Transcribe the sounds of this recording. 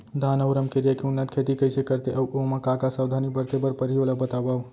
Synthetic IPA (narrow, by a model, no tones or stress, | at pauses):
d̪ʱanəwɾəmkeɾijakeunːat̪̚kʰet̪ikəjsekəɾt̪eʔəwomãkakasawd̪ʱanibəɾt̪ebəɾpəɾioləbət̪abaw